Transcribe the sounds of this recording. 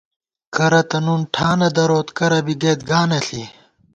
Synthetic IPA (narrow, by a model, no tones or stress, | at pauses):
kʰɐɾɐt̪ɐnunʈʰaːnɐd̪ɐɾoːt̪kɐɾɐbiɡeːt̪ɡaːnɐɬi